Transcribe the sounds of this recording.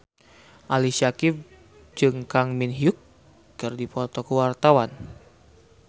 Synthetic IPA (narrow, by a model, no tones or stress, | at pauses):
ʔalisakɪf | d͡ʒɨŋkaŋminɦiukː | ɨrdipɔt̪ɔkəwart̪awan